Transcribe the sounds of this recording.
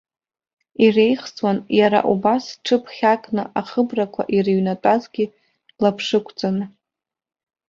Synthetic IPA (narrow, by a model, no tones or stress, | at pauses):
irejχt͡sʼwanjaɾa̰ʔubasʈ͡ʂʰɨpʰχʲakʼnɨʔaχəbrakʷʰa̰ʔiriɥnatʼazɡʲi | lapʰʂɨkʷʰt͡sʼan